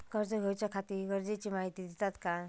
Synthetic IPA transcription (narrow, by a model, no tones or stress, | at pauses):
kəɾd͡zəɡʱojt͡ɕakʰat̪iːɾɡəɾd͡ʑet͡ɕiːmaɦit̪id̪it̪at̪ka